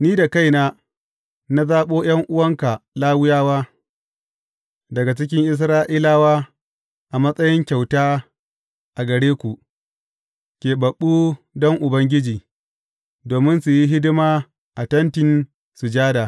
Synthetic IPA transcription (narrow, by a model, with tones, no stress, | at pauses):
niː˦da˨ka˦jnaː˦ | na˦zaː˦ɓoː˦j̰ɐ˦ŋʔʊ˦wɐ˦ŋka˨laː˦wʊ˦jaː˦waː˦ | dɐ˨ɡa˨t͡ʃɪ˦kʲɪ˦ŋʔɪ˦s̬ɾaː˦ʔiː˦laː˦waː˦ | ʔa˨mɐ˦sʼɐ˦jɪ˦ŋkʲa˨wtaː˦ | ʔa˨ɡɐ˨ɽeː˦kʷu˨ | kʲeː˨bɐ˨ɓːu˦ | dɔ˦ŋʔʊ˨bɐ˦ŋɡʲɪ˦d͡ʒiː˨ | doː˨mɪ˦nsu˨ji˦ɦɪ˦dɪ˦maː˦ | ʔa˨tɐ˦ntɪ˨n | su˨d͡ʒaː˦daː˨